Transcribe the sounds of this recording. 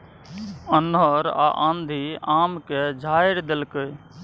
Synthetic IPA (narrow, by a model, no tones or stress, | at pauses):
ənəɾa̰ʔã̰nd̪ʱiamked͡ʒʱajɾd̪elkəj